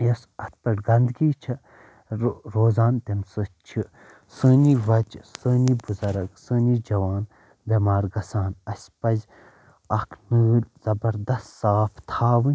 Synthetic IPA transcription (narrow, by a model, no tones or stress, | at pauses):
jɐsɐt̪̚pɐʈɡɐnd̪ɡiːt͡ʃʰi | ɾoːzaːnt̪emsɨt͡ʃʰi | səːniʋɐt͡ʃsəːnibuzɐɾɐɡsəːnid͡ʒɐʋaːn | dɐmaːɾɡɐsaːnɐsʲpɐzʲ | ɐkʰnɨɨlʲz̥ɐbɐɾd̪ɐst̪saːpʰt̪ʰaːʋɨnʲ